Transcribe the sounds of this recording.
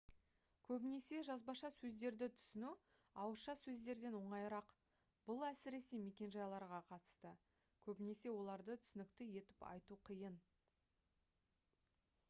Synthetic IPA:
kʲʰɵbɪne̞se̞ʒɑzbɑʃɑsɵzd̪e̞ɾd̪ɪt̪ʰʏ̥sɪnu | ɑwəɾʃɑsɵzd̪e̞ɾd̪e̞nwo̞ɴɑjɾɑq | b̥ʊlˠæsɪɾe̞seme̞kʲe̞nʒɑjlˠɑɾʁɑqʰɑt̪ə̥st̪ə | kʲʰɵbɪne̞se̞wo̞lˠɑɾd̪ət̪ʰʏ̥sɪnɪkt̪ɪje̞t̪ɪpɑ̰jt̪uqʰijən

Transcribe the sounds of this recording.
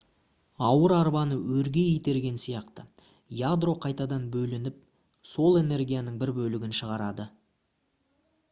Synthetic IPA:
ɑwəɾɑɾbɑnəwɵɾɡʲe̞ijt̪e̞ɾɡʲe̞nsijɑqt̪ə | jad̪ro̞qʰɑjt̪ɑd̪ɑnbɵlɪnɪp̚ | so̞lˠe̞ne̞rɡʲijanəɴbɪɾbɵlɪɡʲɪnʃəʁɑɾɑd̪ə

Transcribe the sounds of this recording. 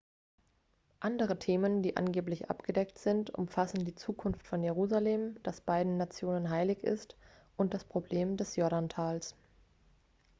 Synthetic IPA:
ʔandəʁ̞ətʰeːməndiːʔa̰nɡeːplɪçʔa̰pɡ̥ədɛktz̥ɪntʔʊ̰mfasn̩diːt͡suːkʰʊnftfɔnjeʁuːzaleːmd̥asb̥aɪdn̩nat͡sjoːnənɦaɪlɪçɪ̰st | ʔʊnt̚d̥aspʁ̥obleːmdɛsjɔɐɾantʰaːls

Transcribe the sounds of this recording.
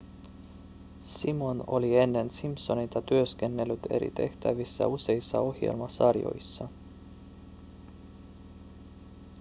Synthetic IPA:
simo̞no̞̰lie̞nːe̞nsimpso̞nit̪ɑt̪yøske̞nːe̞lːyt̪e̞̰ɾḭt̪e̞ht̪æʋisːɑ̰use̞isːɑ̰o̞hje̞̰lmɑsɑrjo̞̰jsːɑ

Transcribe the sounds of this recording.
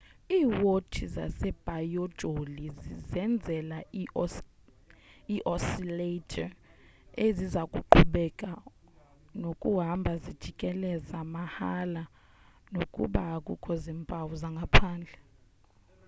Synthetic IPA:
iːwotʰiza̰sɛb̥ʱʼajɔd̥ʒ̥ʱolizizɛnd͡zʱɛla | iʔɔsiletʰʼa | ezizakʼuǃʰuɓɛkʼa | nokʼuɦambʱazid̥ʒ̥ʱikʼɛlɛzamahala | nokʼṵɓaːkʼukʰʼɔzimpʼawuzaŋɡʱapʰaːnd͡ɮʱɛ

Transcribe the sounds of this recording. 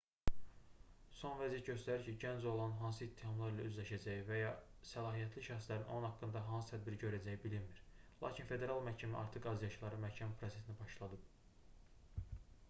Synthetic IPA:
so̞nvæzijæt̪̚ɟø̞st̪æɾiɾcʰiɟænd͡ʒo̞lˠɑnɦɑns̬ɯit̪ʰːihɑmlˠɑɾilæyzlæʃæd͡ʒæjivæjɑsælˠɑːɦijæt̪ʰliʃæxslæɾinonunhɑkːɯnd̪ɑɦɑnsɯ̥t̪ʰæd̪̚biɾiɟø̞ɾæd͡ʒæjibilimmiɾlˠɑ̰ːcʰinfe̞d̪e̞ɾɑlˠmæɾcʰæmæʔɑ̰ɾt̪ʰɯqɑzijɑʃlˠɑɾɯmæɾcʰæmpʰɾo̞se̞sinibɑʃlˠɑd̪ɯb̚

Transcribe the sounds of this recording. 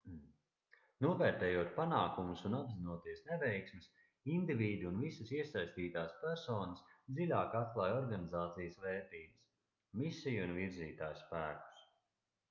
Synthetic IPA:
nuɔvɛːɾt̪ɛːjuɔt̪̚panaːkumusunabzinuɔt̪iɛsnɛvɛjksmis | ind̪ivʲiːd̪iunvisəsiɛsajsʲt̪iːt̪aːspæɾsɔːnɐsd̪zilʲaːkat̪̚klˠaːjɔɾɡanizaːt̪sijəsvɛːɾt̪iːbəs | misijunviɾziːt̪aːjspæːku̥s

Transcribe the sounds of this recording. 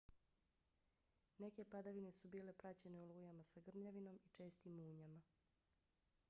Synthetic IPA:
ne̞ke̞pad̪aʋine̞subiːle̞pɾat͡ɕe̞neulˠuːjamasaɡr̩mʎaʋino̞mit͡ʃe̞ːst̪imuːɲama

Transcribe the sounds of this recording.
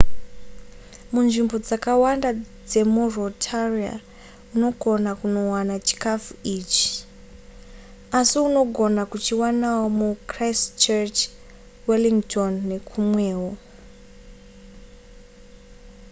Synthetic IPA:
munʐimbo̞d͡zakawandad͡ze̞murotʰaria̰ | uno̞ɡʱo̞nakuno̞wanat͡ʃi̥kafuiːt͡ʃi̥ | asiuno̞ɡʱo̞nakut͡ʃiwanawomukraist͡ʃert͡ʃ | weliŋtʰonːe̞kʰumweːwo

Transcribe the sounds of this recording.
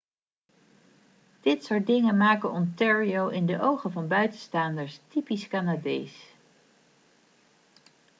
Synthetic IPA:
d̥ɪtsʊɹt̚dɪŋənmaːkənɔntɛɹiowʔɪndəʔowχənvɑnbœɥtəstaːndəɹstipiskanaːdḛjs

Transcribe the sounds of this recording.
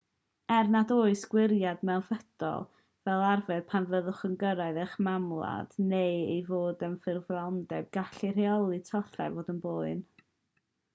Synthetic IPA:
ɛrnadoːɨsɡ̥wɪɾjadmɛwnfəd̥ɔ̰lˠ | vɛlˠarvɛð̥pʰanvəðʊχəŋɡəɾaɨðɛχmamlˠa̰d̥nejejvoːdənfɪrvlˠawndɛb̚ɡaɬireɔlˠɨtʰɔθa̰voːdənboːɨn

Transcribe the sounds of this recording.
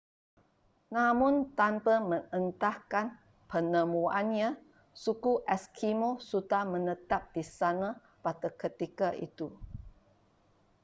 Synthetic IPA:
namũnt̪ampəmə̃ŋənt̪ahkan | pənəmuanɲa | sukuʔɛskʰimosudamə̃nət̪ap̚disana | pat̪əkət̪ikaʔḭt̪u

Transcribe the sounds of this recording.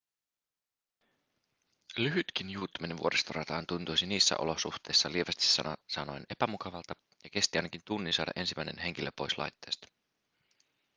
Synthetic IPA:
lyɦyt̪k̟injuːt̪ːymeneʋuoɾʔest̪orɑt̪ɑːnt̪unt̪ujsiniːsːæ̰ʔolo̞suxt̪e̞jsːɑlieʋɑst̪i̥sɑ̰sɑno̞ene̞pæmukɑʋɑlt̪ɑ | jɑke̞st̪iɑjnɑk̟int̪unːinsɑːdɑ̰ʔe̞nsimːæ̰jne̞̰nɦe̞ŋ̟kilːepːo̞jslɑ̰jt̪ːe̞ːst̪ɑ̥

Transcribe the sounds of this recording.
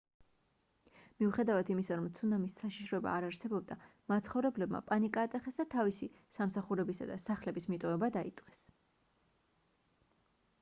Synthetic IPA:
miuχɛd̪avat̪ʰimisaɾɔmt̪sʰunamisːaʃiʃɾɔɛba̰ːɾaɾsɛbɔb̚d̪amat̪sʰχɔvɾɛblɛbma̰pʼanikʼaːt̪ʼɛχɛsd̪at̪ʰavisi | samsaχuɾɛbisa̰d̪asaχlɛbismit̪ʼɔɛbad̪aḭt̪sʼqʼɛ̥s

